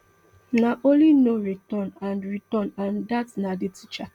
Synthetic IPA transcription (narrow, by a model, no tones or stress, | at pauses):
naʔõnlinoɹitɔ̃nãnɹitɔ̃nãndatnaditit͡ʃa